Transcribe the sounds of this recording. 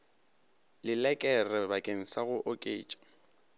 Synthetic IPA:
lɪlɛkʼɛrɛbakʼeŋ̩saɣʊʔɔkʼḛːt͡ʃʼḁ

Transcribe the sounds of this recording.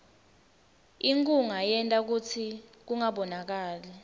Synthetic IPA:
iŋkʼuŋajɛntʼak̬ut͡sʰik̬uŋaɓɔnak̬aːlɛ

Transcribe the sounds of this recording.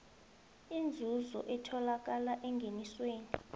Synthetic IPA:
ind͡zʱuzɔ̰ʔɛtʰɔlak̬alaʔɛŋɡʱenisweːni

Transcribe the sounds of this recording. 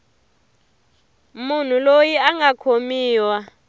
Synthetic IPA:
mun̤ulojiaŋakʰomiːwa

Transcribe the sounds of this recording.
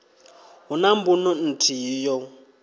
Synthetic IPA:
ɦunambunɔn̩tʰiijɔ

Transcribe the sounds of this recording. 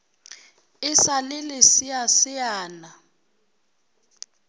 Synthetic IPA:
ɪsalɪlɪsijasɪjaːna

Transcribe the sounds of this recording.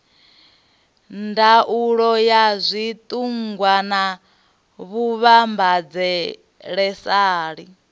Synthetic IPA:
ndaʔuɺɔjazʷit̪ʼuŋɡwana | βuβambad͡zɛ | ɺɛsaːɺi

